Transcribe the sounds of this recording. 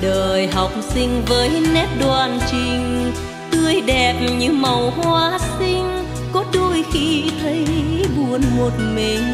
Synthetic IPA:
ɗəː˨˩jɦa˨˩wk͡p̚sï˧ŋ̟vəː˨˦jnɛ˦˥p̚ɗwaː˨˩nt͡ɕï˨˩ŋ̟ | t̪ɨ˧əjɗɛ˨˩p̚ɲɨ˧˥mə˨˩whwaː˧˦sï˧ŋ̟ | kɔ˨˦ɗu˧jxi˧t̪ʰə˨˦jɓu˨˩ənmo˨˩t̚mï˨˩ŋ̟

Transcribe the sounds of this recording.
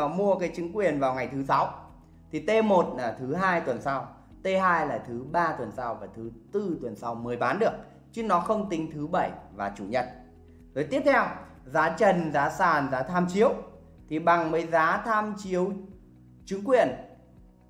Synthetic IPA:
mu˧əkaː˨˦jt͡ɕɨ˨˦ŋkwi˨˩ənvaː˨˩wŋa˨˩jt̪ʰɨ˨˦sa˨˦w | t̪ʰi˨˩t̪e˧mo˨˩t̚laː˨˩t̪ʰɨ˨˦ɦaː˧jt̪wə˨˩nsa˧w | t̪e˧ɦaː˧jlaː˨˩t̪ʰɨ˨˦ɓaː˧t̪wə˨˩nsa˧wvaː˨˩t̪ʰɨ˨˦t̪ɨ˧t̪wə˨˩nsa˧wmɨ˨˩əjɓaː˨˦nɗɨ˨˩ək̚ | t͡ɕi˨˦ŋnɔ˨˦xə˧wŋ͡mt̪ï˨˦ŋ̟t̪ʰɨ˨˦ɓə˧˩jvaː˨˩t͡ɕṵ˧˩ɲə̰˧˨n | zo˨˩jt̪i˦˥əp̚t̪ʰɛ˧w | zaː˨˦t͡ɕə˨˩nzaː˨˦saː˧˨˩nzaː˨˦t̪ʰaː˧mt͡ɕi˨˦əw | t̪ʰi˨˩ɓa˨˩ŋməː˨˦jzaː˨˦t̪ʰaː˧mt͡ɕi˨˦əw | t͡ɕɨ˨˦ŋkwi˨˩ən

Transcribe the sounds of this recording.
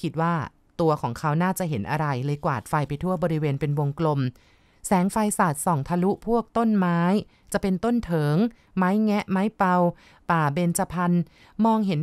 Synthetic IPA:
kʰi˦˥t̪̚waː˥˩ | t̪u˧ɐkʰɔː˩˦ŋkʰa˦˥wnaː˥˩t͡ɕa˨˩ʔɦe˩˦nʔa˧ɾa˧jlɤː˧jkwa̰ː˨˩t̪̚fa˧jpa˧jt̪ʰu˥˩ɐbɔː˧ɾi˦˥weː˧npe˧nwo˧ŋklo˧m | sɛː˩˦ŋfa˧jsaː˨˩t̪̚sɔː˨˩˦ŋt̪ʰa˧lu˦˥ʔpʰu˥˩ək̚t̪o˥˩nmaː˦˥j | t͡ɕa˨˩pe˧nt̪o˥˩nt̪ʰɤː˩˦ŋ | maː˦˥jŋɛ˦˥ʔmaː˦˥jpa˧w | paː˨˩be˧nt͡ɕa˧pʰa˧n | mɔː˧ŋɦe˩˦n

